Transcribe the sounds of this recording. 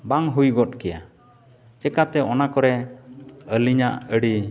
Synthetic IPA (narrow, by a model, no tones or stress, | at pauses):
baŋɦujɡɔtkɛja̰ | t͡ʃɛkat̪ɛɔnakɔɾɛ | əliɲaʔəɽi